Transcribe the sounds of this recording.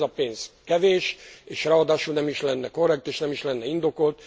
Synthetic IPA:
ɒpeːnzkɛveːʃeːʃraɒd̪aːʃulnɛmiʃlɛnːɛko̞rːɛk̚t̪eːʃnɛmiʃlɛnːɛind̪o̞ko̞lt̪

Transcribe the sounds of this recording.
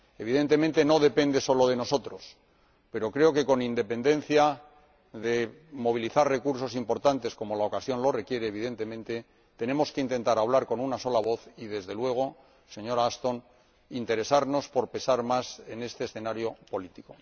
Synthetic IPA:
e̞β̞iðe̞nt̪e̞mẽ̞nt̪e̞no̞ðe̞pe̞nd̪e̞so̞lo̞ð̞e̞no̞so̞t̪ɾo̞s | pe̞ɾo̞kɾe̞o̞ke̞ko̞nind̪e̞pe̞nd̪e̞n̟θja | ðe̞ | mo̞β̞iliθarre̞kuɾs̬o̞simpo̞ɾt̪ant̪e̞sko̞mo̞laokasjo̞nlo̞re̞kje̞ɾeːβ̞iðe̞nt̪e̞mẽ̞nt̪e̞ | t̪e̞ne̞mo̞skeint̪e̞nt̪aɾaβ̞laɾko̞nunaso̞laβ̞o̞θiðe̞zðe̞lwe̞ɣ̞o̞ | se̞ɲo̞ɾaast̪o̞n | int̪e̞ɾe̞saɾno̞spo̞ɾpe̞saɾmase̞ne̞st̪e̞ːsθe̞naɾjo̞po̞lit̪iko̞

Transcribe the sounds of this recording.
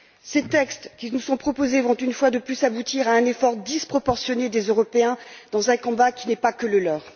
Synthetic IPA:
set̪ɛkst̪kʲinusɔ̃pχɔpozevɔ̃t̪ynfwad̪əplysabut̪iʁaɛ̃nefɔʁd̪ispχɔpɔʁsjɔned̪ezøʁɔpeɛ̃d̪̥ɑ̃zɛ̃kɔ̃bakʲinɛpakələlœːʁ

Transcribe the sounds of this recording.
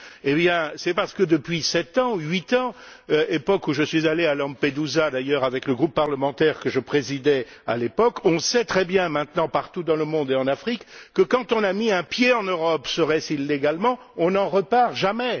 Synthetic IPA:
ebjɛ̃sɛpaʁsə̥kəd̪əpɥisɛt̪ɑ̃ɥit̪ɑ̃øepɔkuʒəsɥizalealɑ̃ped̪uzad̪ajœʁavɛkləɡʁupːaʁləmɑ̃t̪ɛʁkəʒəpχezid̪ɛa̰lepɔkɔ̃sɛt̪χɛbjɛ̃mɛ̃t̪nɑ̃paʁt̪ud̪ɑ̃ləmɔ̃d̪eɑ̃nafχikːəkɑ̃t̪ɔ̃namiɛ̃pjeɑ̃nøʁɔpsəʁɛsilːeɡalmɑ̃ | ɔ̃nɑ̃ʁəpaʁʒamɛ

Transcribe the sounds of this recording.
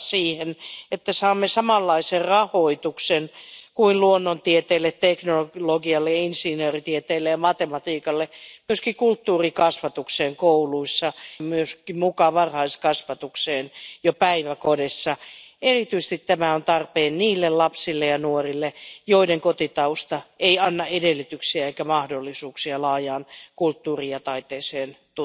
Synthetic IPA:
siːhenet̪ːæsɑːmːesɑmɑlːɑiserrɑhoit̪uksenkuinluonːont̪iet̪eːlːet̪t̪eknoloɡiɑlːeɑinsinøːrit̪iet̪eːlːejɑmɑt̪emɑt̪iːkɑlːemyøskikult̪ːuːrikɑsʋɑt̪ukseːŋkouluisːɑmyøskimukɑʋɑrhɑiskɑsʋɑt̪ukseːnjopæiʋækodesːɑerit̪yis̆t̪it̪tæmæont̪ɑrpeːnniːlːellɑpsilːejɑnuorilːejoideŋkot̪it̪ɑust̪ɑeiɑnːɑedelːyt̪yksiæeikæmɑhdolːisuːksiɑlɑːjɑːnkult̪ːuːriɑt̪ɑit̪eːseːnt̪

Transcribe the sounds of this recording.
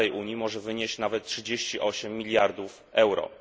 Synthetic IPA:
ɛjʔuɲjimɔʐɛvɘɲeɕt͡ɕnavɛt̪̚tʂɘd͡ʑeɕt͡ɕiʔɔɕɛmːʲilʲjaɾd̪uf | ɛwɾɔ̰

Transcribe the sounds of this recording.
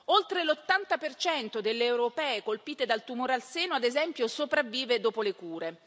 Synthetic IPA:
olt̪ɾelot̪ːant̪apert͡ʃɛnt̪od̪elːeːwɾopɛːekolpiːt̪ed̪alt̪umoːɾealseːnoad̪ezɛmpjosopɾavːiːved̪oːpolekuːɾe

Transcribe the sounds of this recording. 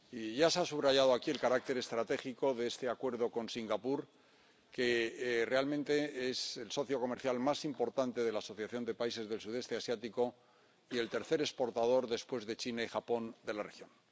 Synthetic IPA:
iʝaseasuβɾaʝað̞oakie̞lkaɾak̚t̪e̞ɾe̞st̪ɾat̪e̞xiko̞ðeest̪e̞akwe̞ɾðo̞ko̞nsiŋɡapuɾ | ke̞re̞almẽ̞nt̪e̞eselso̞θjo̞ko̞me̞ɾθjalmasimpo̞ɾt̪ant̪e̞ð̞e̞laːso̞θjaθjo̞nd̪e̞paise̞zðe̞lsuðe̞st̪e̞asjat̪iko̞ | ie̞lt̪e̞ɾθe̞ɾe̞spo̞ɾt̪að̞o̞ɾðe̞spwe̞zðe̞t͡ʃinaixapo̞nd̪e̞lare̞xjo̞n

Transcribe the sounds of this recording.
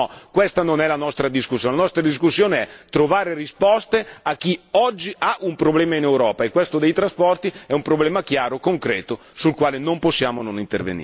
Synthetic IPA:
ɔkwest̪anonɛlanɔst̪ɾad̪iskusːjoːnelanɔst̪ɾad̪is̬kusːjoːneɛt̪ɾovaːɾerispɔst̪eak̟ːiɔd͡ʒːiʔaʔumpɾoblɛːmainewɾɔːpaekːwest̪od̪ejt̪ɾaspɔrt̪iɛumpɾoblɛːmakjaːɾokoŋkɾɛːt̪o | sulkwaːlenomposːjaːmononint̪ervḛnḭ

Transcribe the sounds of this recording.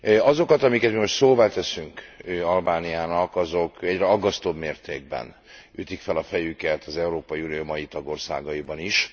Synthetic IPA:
ɒzo̞kɒt̪ɒmikɛt̪mimo̞ʃtsoːvaːt̪ɛsyŋkɒlbaːnijaːnɒkɒzo̞kɛɟrɛɒɡːɒst̪o̞bmeːrt̪eːɡ̚bɛ̰n | yt̪ikfɛlɒfɛjykɛt̪ɒzɛuɾoːpɒjiunijoːmɒjit̪ɒɡo̞rsa̰ːɡɒjibɒniʃ

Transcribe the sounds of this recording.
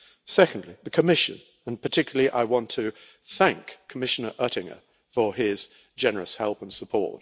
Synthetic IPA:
sɛkə̃n̩dˡliðəkʰəmɪʃɨ̰̃n | ə̃npʰə˞tʰɪkjl̩ˠlˠiʔa̰ɪwɒ̃ntʰɨ | θæ̃ŋkʰːəmɪʃənə˞ʔɜɾɪ̃ŋə̰˞ | fə˞ɪz | d͡ʒɛnə˞əshɛlˠpə̃nsəpʰɔ̰ɹt̚

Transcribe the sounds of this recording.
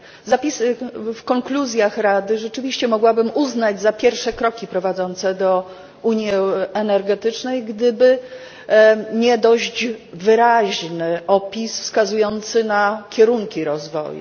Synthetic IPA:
zapʲisfkɔŋkluzʲjaxɾad̪ɘʐɛt͡ʂɘvʲiɕt͡ɕɛmɔɡwabɘmuznad͡ʑzapʲjɛɾfʂɛkɾɔkʲipɾɔvad̪zɔnt̪sɛd̪ɔ | uɲjiɛnɛɾɡɛt̪ɘt͡ʂnɛjɡd̪ɘbɘ | ɲɛd̪ɔʑd͡ʑvɘɾaʑnɘʔɔpʲisfskazujɔnt̪sɘnakʲɛɾuŋkʲiɾɔzvɔ̰jṵ

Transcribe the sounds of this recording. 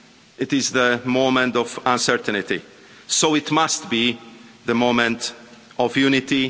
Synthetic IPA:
ɪtɪzðəmõʊmɛ̃ntɔvãnsɛɾt̪nɪt̪ḭ | soʊɪtmast̪biðəmõʊ̃mɛ̃ntɔvjunɪt̪i

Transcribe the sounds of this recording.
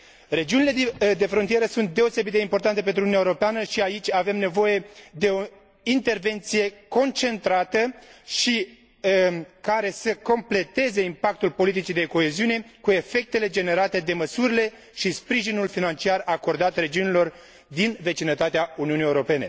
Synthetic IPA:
re̞d͡ʒiunile̞d̪e̞fɾont̪ije̞ɾəsunt̪̚d̪e̞ose̞bit̪eimpo̞rt̪ant̪e̞pent̪ɾununʲewoɾopeanəʃiait͡ʃʲave̞mne̞vo̞je̞d̪e̞o̞ | int̪e̞rve̞nt̪sije̞ko̞nt͡ʃe̞nt̪ɾat̪əʃi | kaɾe̞səko̞mple̞t̪e̞ze̞impak̚t̪ulpo̞lit̪it͡ʃid̪e̞ko̞e̞ziune̞kue̞fe̞k̚t̪e̞le̞d͡ʒe̞ne̞ɾat̪e̞d̪e̞məsuɾile̞ | ʃispɾiʒinulfinant͡ʃiarako̞rd̪at̪re̞d͡ʒiunilo̞r | d̪inve̞t͡ʃinət̪at̪eauniunijewɾo̞pe̞ne̞

